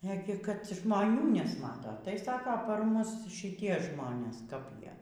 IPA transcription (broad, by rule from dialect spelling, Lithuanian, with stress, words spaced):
ˈæːɡʲɪ kɐt ʒmoːˈnʲuː nʲɛsˈmɑːtɐ tɐɪ ˈsɑːkoː pɐr ˈmʊs ʃʲɪˈtʲiɛ ˈʒmoːnʲeːs kɐp ˈjiɛ